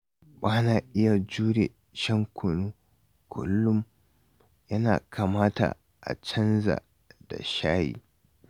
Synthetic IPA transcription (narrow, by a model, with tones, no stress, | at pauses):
baː˦naː˨ʔɪ˦ja˨d͡ʒuː˦ɽe˨ | ʃɐ˦ŋkʷʰʊ˨nuː˦ | kʰʷʊ̰˦lːʊ˦m | jɐ˦na̰ː˨kʰaː˨maː˦ta̰˨ | ʔa̰˨t͡ʃɐ˦nza̰˨ | da̰˨ʃaː˦jḭː˨